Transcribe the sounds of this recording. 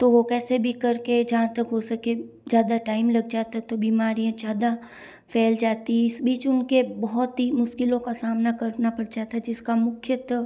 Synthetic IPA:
t̪oʋokɛːsebʱikɐɾked͡ʒɐɦãt̪ɐkɦosɐke | d͡ʒjaːd̪aʈaːɪmlɐɡ̚d͡ʒaːt̪aɛt̪obiːmaːɾijãd͡ʒjaːd̪a | fʰɛːld͡ʒaːt̪iɪsbiːt͡ʃʊnkebɐɦɔt̪ɦimʊʃkɪlõkasaːmnakɐɾnapɐɽt͡ʃaːt̪ʰad͡ʒɪskamʊkʰjət̪

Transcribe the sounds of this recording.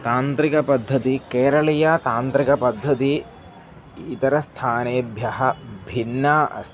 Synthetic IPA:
t̪aːnt̪ɾikɐpɐd̪ʱːɐt̪ikeːɾɐɭijat̪aːnt̪ɾikɐpɐd̪ʱːɐt̪i | t̪ɐɾɐst̪ʰaːneːbʱjɐɦɐ̆bʱinːaːʔɐ̰s

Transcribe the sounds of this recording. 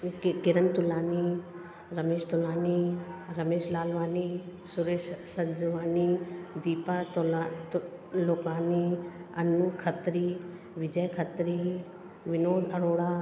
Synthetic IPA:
kɪɾənt̪ʊlaːni | ɾɐmeːʃt̪ʊlaːniːɾɐmeːʃlaːlʋaːniː | sʊɾeːʃsənd͡ʒuʋaːniːd̪iːpat̪lat | loːkaːniːɐnːukʰət̪ɾiː | ʋɪd͡ʒəjkʰət̪ɾiː | ʋɪnoːd̪ɐɾoːɽaː

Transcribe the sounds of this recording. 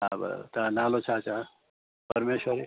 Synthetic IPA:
abɐ̰t̪anaːlot͡ʃʰaːt͡ʃa | pɐɾmeːʃwəɾe

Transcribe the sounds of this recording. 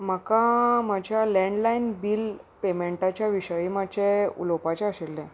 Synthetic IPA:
məkamad͡ʑʱjalɛ̃ɳɖlainbiːlpemeɳʈat͡ɕjaʋiɕəjimat͡ɕeṵlopat͡ɕaəɕelːɛ̃

